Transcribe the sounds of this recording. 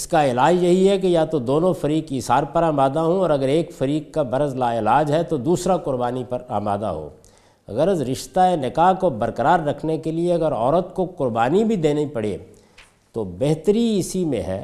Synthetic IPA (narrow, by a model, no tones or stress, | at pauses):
ɪskaɪlaːd͡ʒjɐɦiɦɛkejat̪od̪oːnõfɐɾiːkɪsaːɾpɐɾaːmaːd̪aɦõɔːɾɐɡəɾeːkfɐɾiːkkabɐɾəzlaɪlaːd͡ʒɦɛt̪od̪uːsɾakʊɾbaːnipɐɾa̰ːma̰ːd̪a̰ɦo̰ː | ɐ̰ɡəɾɐzɾɪʃt̪aenɪkaːɦkobɐɾkəɾaːɾːɐkʰnekelieɐɡəɾɔ̰ːɾət̪kokʊɾbaːnibʱid̪eːnaipɐɽ̤ḛː | t̪obɛɦt̪əɾiɪsimḛ̃ɦɛ̰ː